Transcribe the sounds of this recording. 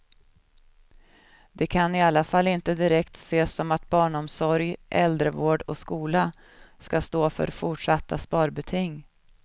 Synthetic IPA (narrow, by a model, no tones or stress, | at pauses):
d̪̥ɛkʰanɪalːafalːɪnt̪əd̪ɪɾɛkt̪seːsɔmat̪̚bɑːɳɔmsɔɾjʔɛld̪ɾəvoːɖɔskuːla | skast̪oːfœ̰ɾfʊʈʂat̪ːaspɑːɾbɛt̪ʰɪŋː